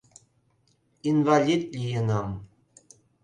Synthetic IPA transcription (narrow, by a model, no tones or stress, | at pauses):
invalʲit̪lʲijənɑm